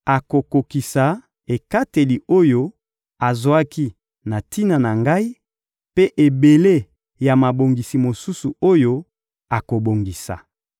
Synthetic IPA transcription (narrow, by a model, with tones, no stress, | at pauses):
a˨ko˨ko˨ki˨sa˨ | e˨ka˦te˨li˨o˦jo˦ | a˨zo˨a˦ki˦ | na˨ti˦na˨na˨ŋɡa˦i˦ | pe˦ʔe˨be˨le˦ | ja˨ma˨bo˨ŋɡi˨si˨mo˨su˦su˨o˦jo˦ | a˨ko˨bo˨ŋɡi˨sa̰˨